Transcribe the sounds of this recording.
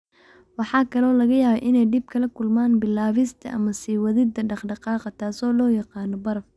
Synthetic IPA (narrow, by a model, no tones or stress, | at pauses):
wɑħɑːkʰɐlɔːlɐɣɐjaːβɐʔɪnɛjɖɪb̚kʰɐlɐkʰʊlmaːnbɪlaːβɪst̪ʰɐ̰ʔɐmɐsiːwɐðɪd̪ɐɖɑχɖɑqɑːqɑt̪ʰaːsɔːlɔːjɑqɑːnɔbɐɾɐf